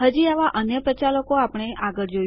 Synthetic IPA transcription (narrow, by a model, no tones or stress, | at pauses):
ɦəd͡ʒiaʋaʔənjəpɾət͡ʃaləkoapəɳ̃eʔaɡəɭd͡ʒo